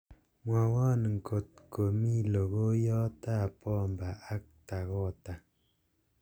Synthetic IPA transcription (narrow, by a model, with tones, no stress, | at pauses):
mwa˨wa˦n˨ŋ˨ko˨t̪̚ko˨mi˦lo˨ɡo˦jɔ˦t̪a˦˨pɔ˦˨mba˨ʔa˦k̚t̪a˨ɣo˦˨t̪a˨